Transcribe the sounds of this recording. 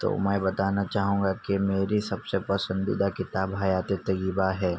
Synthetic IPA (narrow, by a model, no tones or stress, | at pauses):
t̪o̰ːmɛ̃ːbɐt̪aːnat͡ʃaːɦũːŋɡakimeːɾisɐbsepɐsə̃nd̪ḭd̪akɪt̪aːbɦajaːt̪et̪ɐjiːbaɦɛː